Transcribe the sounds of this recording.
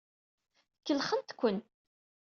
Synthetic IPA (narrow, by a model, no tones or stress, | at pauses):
kːəlχənt̪kʷːən